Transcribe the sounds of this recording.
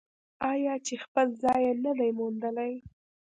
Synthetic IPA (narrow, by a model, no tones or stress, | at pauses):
ɑjɑt͡ʃexpəlzɑjenəd̪ajmund̪əlaj